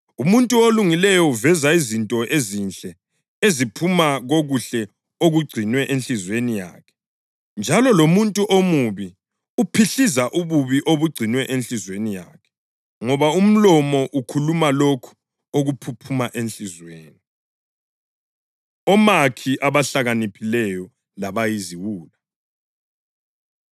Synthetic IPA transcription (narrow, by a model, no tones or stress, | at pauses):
umuntʼuoluŋilɛjɔuvɛzaizintʼɔʔezinɬʼɛ | ezipʰumaɣoɣuɬɛ | oɣuɡ͡ǀʱinwɛʔenɬizwenija̰ːkʰɛ̥ | nd͡ʒʱalɔlomuntʼuʔomuβi | upʰiɬizaʔuβuβiʔoβuɡ͡ǀʱinwɛʔenɬizwenija̰ːkʰɛ̥ | ŋɔβaum̩lɔmɔʔukʰulumalokʰu̥ | oɣupʰupʰumaʔenɬʼizweːni | ɔmakʰiʔaβaɬaɣanipʰilɛjɔ | laβajiziwuːla